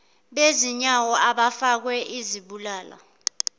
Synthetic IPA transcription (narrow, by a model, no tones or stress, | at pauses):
ɓeziɲawɔaɓafak̬wɛʔiziɓulaːla̰